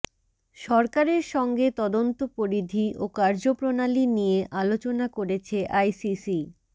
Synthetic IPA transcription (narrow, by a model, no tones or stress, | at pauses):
ʃɔɾkaɾeɾʃɔŋɡet̪ɔd̪ont̪opoɾid̪ʱiʔokaɾd͡ʑopɾonalinijeʔalot͡ɕonakoɾet͡ɕʰeʔajsisi